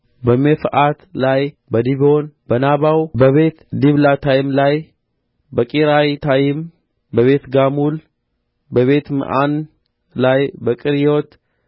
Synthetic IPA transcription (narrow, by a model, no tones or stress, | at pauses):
bəmefʔat̪laj | bəd̪iβo̞nbənaβawbəβe̞t̪d̪iβlat̪ʰajɪmlaj | bəkʼiɾajt̪ʰajɪm | bəβe̞t̪ɡamul | bəβe̞t̪mɨ̰ʔan | lajbəkʼɨɾjot̪